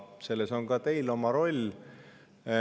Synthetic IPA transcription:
se̞lːeso̞ŋkɑt̪e̞jlo̞mɑɾo̞lʲ

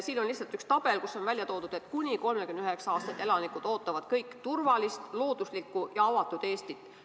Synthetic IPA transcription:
siːnonlisːɑlt̪ykst̪ɑb̥e̞lkusːo̞nvælʲjɑt̪o̞ːd̪ud̪e̞t̪kunʲiko̞lmekymnyɦeksɑɑːst̪ɑ̥t̪ːˑelɑnikud̪̥o̞ːt̪ˑːɑvɑd̪̥kɤjkːt̪urvɑlist̪lo̞ːd̪̥uslikːˑujɑɑvɑt̪ːˑud̪̥e̞ːst̪it̪ːˑ

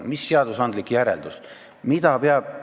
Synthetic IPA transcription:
misːeɑd̪̥usɑnd̪likjæɾḛld̪̥us | mid̪ɑpeɑb̥̚

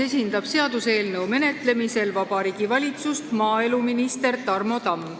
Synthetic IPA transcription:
e̞sʲind̪̥ɑb̥se̞ɑd̪use̞ːlnɤwme̞ne̞t̪le̞mise̞lvɑb̥ɑɾiːɡ̥ivɑlʲit̪sust̪mɑːe̞luminist̪e̞rt̪ɑrmo̞t̪ɑm

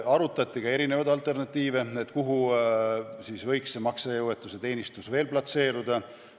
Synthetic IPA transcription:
ɑɾut̪ːˑɑt̪ʲˑːikɑe̞ɾine̞vɑd̪ɑlt̪ˑe̞rnɑt̪ːiːve̞et̪ːˑkuɦu | siːsvɤ̞jksːemɑksejuwe̞t̪ːˑuse̞t̪e̞ːnist̪usve̞ːlplɑt̪se̞ːɾud̪̥ɑ

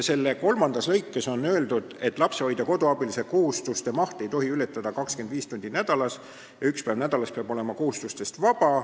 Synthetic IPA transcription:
se̞lːeko̞lmɑnd̪̥ɑslɤjkːˑe̞so̞nːø̞eld̪̥ud̪̥e̞t̪ːˑlɑpseɑjd̪̥ɑko̞d̪̥oɑb̥ilise̞ko̞hust̪ust̪emɑht̪e̞jt̪o̞ɦiylet̪ːˑɑd̪̥ɑkɑkske̞nd̪̥viːst̪unʲd̪̥inæd̪̥ɑlɑs | jɑykspæjvnæd̪̥ɑlɑspeɑb̥o̞le̞mɑko̞hust̪ust̪e̞st̪vɑb̥ɑ

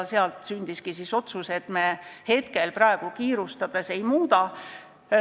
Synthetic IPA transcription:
seɑlt̪synʲd̪̥iskisiso̞t̪suse̞t̪me̞he̞t̪ke̞lprɑeɡ̥ukiːɾust̪ɑd̪̥e̞se̞jmuːd̪ɑ

